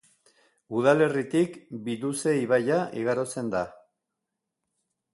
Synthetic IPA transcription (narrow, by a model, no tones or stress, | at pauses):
uð̞ale̞rit̪ikbiluse̞iβajaʔiɣ̞aɾo̞t͡se̞nd̪a